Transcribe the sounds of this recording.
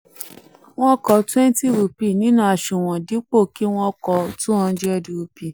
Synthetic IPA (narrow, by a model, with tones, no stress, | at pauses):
w̃ɔ̃˦kɔ˧twɛ˦n˦ti˦˨ɾu˨pi˦˨nĩ˨˦nũ˦a˧˨ʃũ˨w̃ɔ̃˨di˨˦k͡po˦˨ki˦w̃ɔ̃˦kɔ˧tũ˦ɔ̃˧˦d͡ʒɛ˦˧di˧ɾu˧pi˨